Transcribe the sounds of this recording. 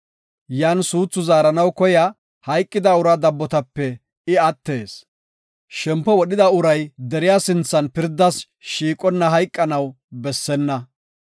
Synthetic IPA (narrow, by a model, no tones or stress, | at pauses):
jaːnsuːt͡sːʊzaːɾɐnɐwkɔja | hɐjkʼːɪd̪ɐʊɾɐd̪ɐbːɔt̪ɐpːɛ | ɪɐt̪ːe̞ːs | ʃɛmpːɔwɔɗɪd̪ɐʊɾɐjd̪ɛɾɪjaːsɪnt͡sːɐnpɪɾd̪ːɐs | ʃiːkʼɔnːɐɦɐjkʼːɐnɐw | bɛsːɛnːɐ